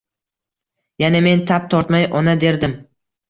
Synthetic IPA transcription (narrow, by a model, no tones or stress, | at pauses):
janeme̞nt̪ʰap̚t̪ʰɒɾt̪majʔɒnad̪e̞ɾd̪ɪm